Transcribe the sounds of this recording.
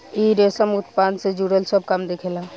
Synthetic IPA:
iɾesəmut̪pand̪sed͡ʒuɽəlsəb̚ʱkamd̪ekʰela

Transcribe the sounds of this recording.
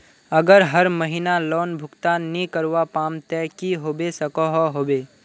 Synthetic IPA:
əɡəɾɦəɾməɦinalɔːnbʱʊkt̪annĩkəɾʋapaːmt̪ɛːkiɦoːbesəkɔɦɔɦoːbeː

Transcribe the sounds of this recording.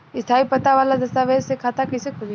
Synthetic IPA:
ɪst̪ʰaːipɐt̪aʋaːlad̪ɐst̪aːʋeːɾsekʰaːt̪akisekʰʊli

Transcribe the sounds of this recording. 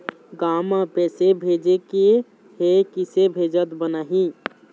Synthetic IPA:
ɡamapɛːsebʱed͡ʒeke | hekisebʱeːd͡ʒət̪bənaɦĩ

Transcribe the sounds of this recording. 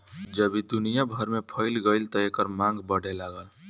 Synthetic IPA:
d͡ʒəbid̪unijabʱəɾmepʰəɪlɡəɪlt̪ɔekəɾmãŋɡbəɽ̤elaɡəl

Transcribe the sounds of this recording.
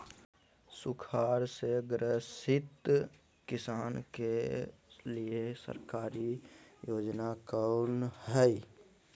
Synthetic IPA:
sʊkʰaːɾseɡɾəsɪt̪ | kɪsaːnke | liesə̰ɾkaːɾijoːd͡ʒnakaʊnɦɛi

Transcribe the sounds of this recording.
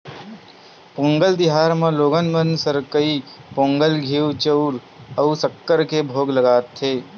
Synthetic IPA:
põːŋɡəld̪ɪɦaːɾmẽloːɡənmənsəɾkəipõːŋɡəlɡʱiːwt͡ʃəʊɾ | əusəkːəɾkebʱoːɡləɡaːt̪ʰːeː

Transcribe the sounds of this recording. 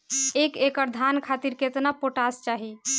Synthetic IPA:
ekekəɾd̪ʱankʰat̪iɾket̪napoʈast͡ʃaɦi

